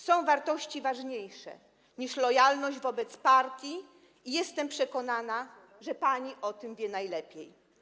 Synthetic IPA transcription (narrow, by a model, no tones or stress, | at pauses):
sɔ̃w̃vaɾt̪ɔɕt͡ɕivaʐɲejʂɛ̰ | ɲiʂlɔjalnɔʑd͡ʑvɔbɛt̪spaɾt̪ʲji | ijɛst̪ɛmpʂɛkɔnana | ʐɛpaɲiʔɔt̪ɘmvʲjɛnajlɛpʲjej